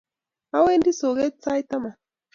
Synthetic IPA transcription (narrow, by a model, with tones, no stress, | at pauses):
a˦we˦ndi˦so˨ɣe˦t͡sa˦jt̪a˦ma˨